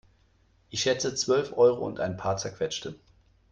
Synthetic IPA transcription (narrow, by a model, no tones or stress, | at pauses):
ʔɪçʃɛt͡sət͡sv̥œlfʔɔʏʁoʊ̰ntʔaɪnpʰaːɐt͡sɛɐkv̥ɛt͡ʃtə